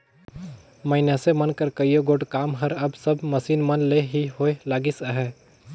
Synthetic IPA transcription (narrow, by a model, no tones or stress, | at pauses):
məɪnəsemənkəɾkəjoɡoːɖkaːmɦəɾɐbsəbməsiːnmənleɦiɦoːelaːɡisəɦɛː